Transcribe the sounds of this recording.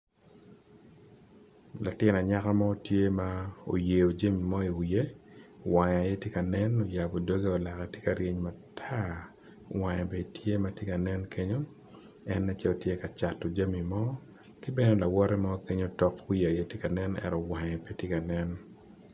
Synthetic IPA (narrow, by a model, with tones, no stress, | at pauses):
lʔa˨tɪ˦na˨ɲa˦ka˦ma˦o˦tje˦mao̰˨je˨o˨d͡ʒa˦mi˨mɔ˦i˨wije˦wa˨ɲa˨je˦tje˦ka˨nɛ˦no˨ja˨bo˨do˦ɡe˦o˨la˨kɛ˨tje˦ka˨ɾje˦ɲma˨tʰa˦ | wa˨ɲɛ˨be˨i˨tʰje˦ma˨tje˦ka˨nɛ˦nkʰe˦ɲo˦ | ɛ˦nːɛ˦t͡ʃɛ˦o˨tje˦ka˨t͡ʃa˨tːo˨d͡ʒa˦mi˨mɔ˦ | kɪ˦bɛ˦ne˦la˨wɔ˦ɾɛ˦mɔ˦ke˦ɲo˦tɔ˨kwi˦˨a˨je˦tje˦ka˨nɛ˦nɛ̰˨ɾɔ˨wa˨ɲɛ˨pe˦tje˦ka˨nɛ˦n